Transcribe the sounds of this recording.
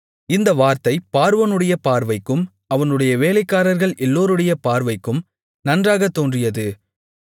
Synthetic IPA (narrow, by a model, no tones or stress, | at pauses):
ɪnd̪ɐʋaːɾt̪ɐɪpaːɾɯʋɐnɯɽɐjɐpaːɾʋɐɪkːɯm | ɐʋɐnɯɽɐjɐʋeːlɐɪkːaːɾɐɾɣɐɭʔɛlːoːɾɯɽɐjɐpaːɾʋɐɪkːɯm | nɐndraːɣɐt̪ːoːndrɪjɐðɯ